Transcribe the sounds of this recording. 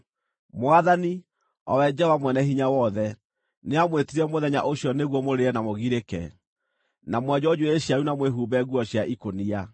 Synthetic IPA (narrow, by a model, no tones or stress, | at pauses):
mwaðani | ɔ̰wɛd͡ʒɛwamwɛnɛɦiɲawɔðɛ | neamwetiɾɛmoðɛɲa̰ʔoɕjɔneɣwɔmoɾeɛnamoɣiɾekɛ̰ | namwɛd͡ʑɔd͡ʑuweɕiaɾunamweɦubɛɣwɔɕjaʔikonia